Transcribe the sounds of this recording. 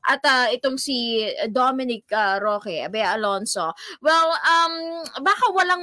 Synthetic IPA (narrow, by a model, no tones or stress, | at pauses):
ʔɐt̪ɐʔɪt̪oŋsid̪omɪnɪk̚ɐɾoːkɛʔɐbɛjɐɐlonsowɛlɐmbaːkɐwɐlaŋ